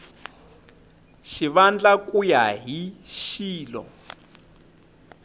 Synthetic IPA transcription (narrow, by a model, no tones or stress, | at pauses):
ʃiβand͡ɮakʼujaɦiʃiːlɔ̰